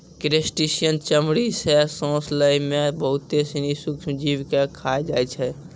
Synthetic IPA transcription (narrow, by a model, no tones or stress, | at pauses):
kɾesʈisijənt͡ʃəmɽisɛsɔ̃sləimebəɦut̪ːesinisukʰmd͡ʒiʋkekʰajd͡ʒajt͡ʃʰɛ